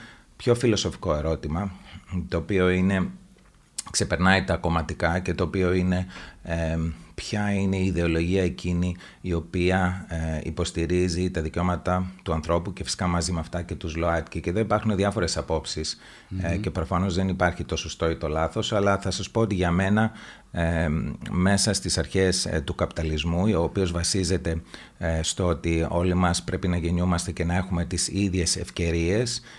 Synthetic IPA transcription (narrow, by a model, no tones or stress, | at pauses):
pço̞filo̞so̞fi̥ko̞e̞ɾo̞t̪imɐt̪o̞ːpio̞ine̞ | kse̞pe̞ɾnɐit̪ɐko̞mɐt̪ikɐce̞t̪o̞ːpio̞ine̞ | pçɐine̞iːðe̞o̞lo̞ʝiɐe̞cʰiniː | o̞piɐḭpo̞st̪iɾizit̪ɐðiceo̞mɐt̪ɐt̪uɐnθɾo̞pucefisi̥kɐmɐzimeɐft̪ɐce̞t̪uzloɐt̪cice̞ðo̞ipɐɾxuneðʝɐfo̞ɾe̞sɐpo̞psis | ce̞pɾo̞fɐno̞zðe̞nipɐɾçit̪o̞sost̪o̞it̪o̞lɐθo̞sɐlɐθɐsɐspo̞ot̪iʝɐme̞nɐ | me̞sɐst̪isɐɾçe̞st̪ukɐpi̥t̪ɐlizmuo̞ːpio̞zvɐsize̞t̪e̞ | st̪oo̞t̪io̞limɐspɾe̞pinɐʝe̞ɲumɐst̪e̞ce̞nɐe̞xume̞t̪isiðʝe̞se̞fce̞ɾie̞s